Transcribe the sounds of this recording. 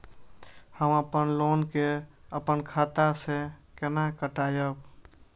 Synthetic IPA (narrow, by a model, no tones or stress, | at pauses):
həməpənlonkeəpənkʰat̪asekenakəʈaːjəb